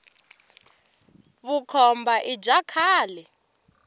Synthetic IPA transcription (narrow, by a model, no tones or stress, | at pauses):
βukʰɔmbaʔid͡ʒakʰaːlɛ